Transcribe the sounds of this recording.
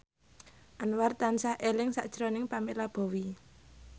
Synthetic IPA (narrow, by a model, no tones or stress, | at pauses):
ʔanwart̪ansaʔelɪŋsa̰ʔd̥ʒ̥əɾɔnɪŋpamelab̥ɔ̤wi